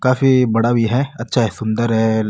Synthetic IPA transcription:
kaːfibɐɽabʱiɦɛɐtːʃʰaɦɛsʊ̃nd̪əɾɦɛ

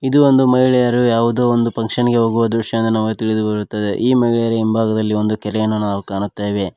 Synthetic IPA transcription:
id̪uo̞nd̪umɐiɭɛjɐɾujaːʋud̪oːond̪upɐŋkʂɐniɡeɦoːɡuʋɐd̪ɾuʂjɐɐnd̪ɐnaːʋɐɡet̪iɭid̪ubɐɾut̪ːɐd̪e̞̰ʔiːmɐɦiɭɛjɐɾuimbʱaːɡɐd̪ɐlːio̞nd̪ukɛɾejɐnːɐnaːʋukaːnut̪ːeːʋe̞

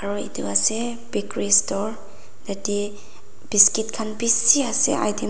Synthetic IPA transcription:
aɹɔḭtuwasɛ | bikɹistɔɹ | dati | b̥iskitkʰanbisiasɛ̰a̰jdi

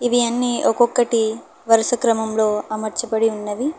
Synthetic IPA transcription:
iʋiɐnːiːʔɔkɔkːɐʈi | ʋɐɾɐsɐkɾɐmɐmlo̞ːɐmɐɾt͡ʃɐpɐɽiunːɐd̪i

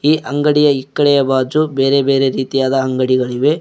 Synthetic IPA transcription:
iːʔɐŋɡɐɽijɐikːɐɽɛjɐbaːd͡ʒube̞ːɾe̞be̞ːɾe̞ɾiːt̪ijaːd̪ɐːŋɡɐɽiɡɐɭiʋe̞

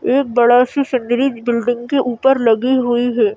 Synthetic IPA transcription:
eːk̚bɐɽasisɪnɖɾid͡ʒbɪlɖɪ̃ŋɡkeʔuːpəɾlɐɡiɦʊiɦɛː

